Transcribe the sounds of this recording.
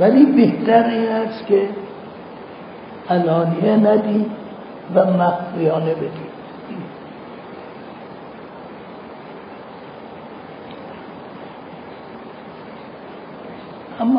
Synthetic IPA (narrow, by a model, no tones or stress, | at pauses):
væliːbeht̪æɾiːnæst̪kʰe | ʔælɒːnienæd̪iːd | væmæχfijɒːnebed̪i̥ː | ʔæmː